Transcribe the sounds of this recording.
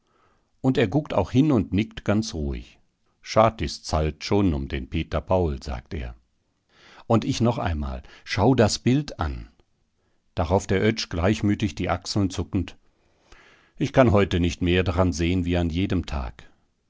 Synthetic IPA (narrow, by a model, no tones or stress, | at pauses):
ʔʊnteːɐɡʊktʰa̰ʊxhɪnʊntnɪktɡ̥ant͡sʁuːɪ̰ç | ʃaːtɪst͡saltʃoːnʊmdeːnpʰeːtɐpʰaʊlza̰ːk̚tḛːɐ | ʔʊntɪçnɔχʔa̰ɪnma̰ːlʃaʊdasb̥ɪlta̰n | d̥aʁaʊfd̥eːɐʔœt͡ʃɡ̥laɪçmyːtɪçd̥iːʔaksl̩nt͡sʊkn̩t | ʔɪçkʰanɦɔʏtənɪçtmeːɐdaʁanzeːənviːanjeːdəmtʰa̰ːk